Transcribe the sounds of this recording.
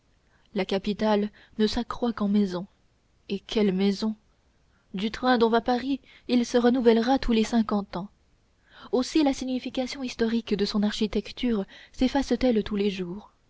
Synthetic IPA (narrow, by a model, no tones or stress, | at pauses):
lakapit̪al | nəsakχwakɑ̃mɛzɔ̃ | ekʲɛlmɛzɔ̃ | d̪yt̪χɛ̃d̪ɔ̃vapaʁiː | lsəʁənuvɛlʁat̪ʰulesɛ̃kɑ̃t̪ɑ̃ | osilasiɲifikʲasjɔ̃ist̪ɔʁikd̪əsɔ̃naʁʃit̪ɛkt̪yːʁsefast̪ɛlt̪uleʒuːʁ